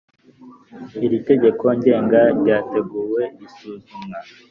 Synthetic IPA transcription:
iɾite̞ɟe̞kʰo̞ɲɟe̞ːŋɡaɾɟaːte̞ɡuːwe̞isuːzumŋa

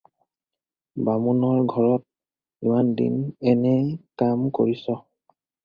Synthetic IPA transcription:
bamunɔɹɡʱɔɹɔt̚ | imandḭnɛnɛkamko̰ɹisɔ

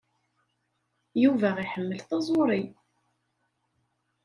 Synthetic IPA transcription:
juvæʁiħəmːəlθɑzˤoɾˤi

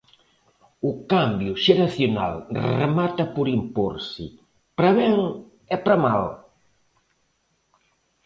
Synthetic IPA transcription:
ʊkambjʊʃeɾaθjona̰lrḛmat̪ɐpoɾimpo̰ɾsɪ | pɾɐβɛŋ | ɛpɾɐmal

